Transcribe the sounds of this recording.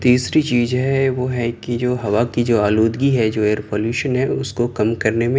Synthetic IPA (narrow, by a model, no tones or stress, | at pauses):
t̪iːsɾit͡ʃiːzɦɛʋoɦɛkid͡ʒoːɦɐʋakid͡ʒoːaːloːd̪ɡiɦɛd͡ʒoːeːɾpoːljuːʃənɦɛʊskokɐmkɐɾnemẽ